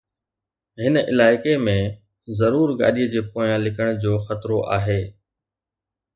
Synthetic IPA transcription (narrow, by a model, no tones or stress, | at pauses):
ɦɪnəʔɪ̰laːɪkemẽ | zɐɾuːɾɡa̰ːɗiːəd͡ʑeːpoːjãlɪkəɽ̃d͡ʑoːxət̪ɾoʔa̰ːɦeː